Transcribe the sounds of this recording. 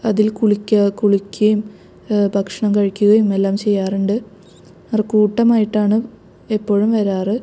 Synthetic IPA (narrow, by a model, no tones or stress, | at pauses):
ɐðilkuɭikʲːɐkuɭikʲːɐjum | bʱɐkʂɐɳɐmkɐɻikʲːuɣɐjumelːaːmt͡ɕe̞jːaːruɳɖɨ | ɐrkuːʈːɐmaːjiʈːaːɳɨ | epːo̞ːɻumʋɐɾaːrɨ